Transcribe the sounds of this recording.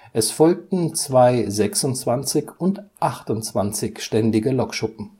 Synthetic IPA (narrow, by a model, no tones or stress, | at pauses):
ʔɛsfɔlk̚tn̩t͡sv̥aɪzɛksʊnt͡sv̥ant͡sɪçʊntʔaχtʊnt͡sv̥ant͡sɪçʃtɛndɪɡəlɔkʃʊpm̩